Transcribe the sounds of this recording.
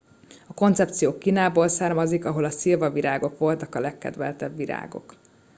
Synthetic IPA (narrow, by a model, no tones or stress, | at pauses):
ɒko̞nt̪sɛp̚t̪sijoːkːiːnaːboːlsaːrmɒzikɒɦo̞lɒsilvɒviɾaːɡo̞kʋo̞lt̪ɒkɒlɛkːɛ̰d̪ʋɛ̰lt̪ɛbːiɾa̰ːɡo̞̰k